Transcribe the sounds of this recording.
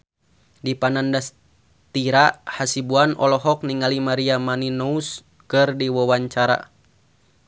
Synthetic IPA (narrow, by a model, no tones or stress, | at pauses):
dipanandas | t̪iɾahasibuanɔ̰lɔɦɔk̚niŋalimaɾiamaninɔus | kɨrdiwɔwaɲt͡ʃaɾa̰